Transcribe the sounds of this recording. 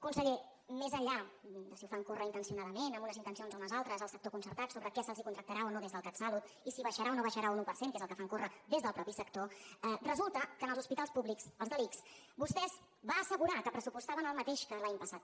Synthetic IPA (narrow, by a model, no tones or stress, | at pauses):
kunsəɣe | mezəʎad̪əsiufaŋkorəint̪ənsiunaðəmenəmbunəzint̪ənsionzunəzalˠt̪ɾəzəlˠsəkt̪okunsəɾt̪at̪soβɾəkɛsəlˠzikunt̪ɾək̚t̪əɾaonoðezðəlˠkatsalut̪ | isiβəʃəɾaonoβəʃəɾaunupərseŋkezəlˠkəfaŋkorəd̪ezðəlˠpɾɔpisəkt̪oɛrəzulˠt̪əkənəlˠzuspit̪alˠspuβliksəlˠzðəliks | bust̪ɛz | βaːsəɣuɾakəpɾəsupust̪aβənəlˠmət̪eʃkəlaɲpəsat̪